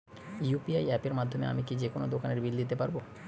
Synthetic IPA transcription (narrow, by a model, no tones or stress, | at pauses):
upiajɛpeɾmad̪ʱːomea̰mikid͡ʑekonod̪okaneɾbild̪it̪epaɾbo